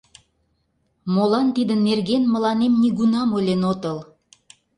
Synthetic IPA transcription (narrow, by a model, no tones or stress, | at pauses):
molɑnt̪id̪ənːerɣenməlɑnemniɣunɑmolʲenot̪əl